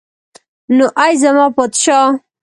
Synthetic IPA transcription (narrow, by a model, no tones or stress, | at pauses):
noʔajzamɑpod̪ʃɑ